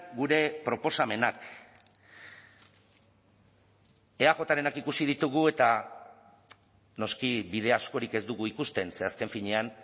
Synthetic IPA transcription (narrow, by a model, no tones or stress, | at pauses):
ɡuɾe̞pɾo̞po̞same̞nak | e̞aɣo̞t̪aɾe̞nakikusið̞it̪uɣue̞t̪a | no̞skiβið̞e̞asko̞ɾike̞zd̪uɣuikust̪e̞nse̞aske̞ɱfiɲean